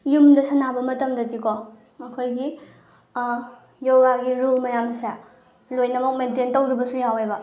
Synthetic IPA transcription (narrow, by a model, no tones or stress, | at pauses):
jumdɐsɐnabɐmɐtɐmdɐtiko | ɐkʰojɡi | jowwaɡiɾulmɐjamsja | lojnɐmɐk̚mententɐwdibɐsujawejbɐ